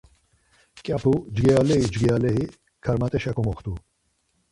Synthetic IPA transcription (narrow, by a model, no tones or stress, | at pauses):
kʼjapʰud͡ʒɡɛalɛid͡ʒɡɛalɛi | kʰaɾmat̪ʼɛʃakʰɔmɔχt̪u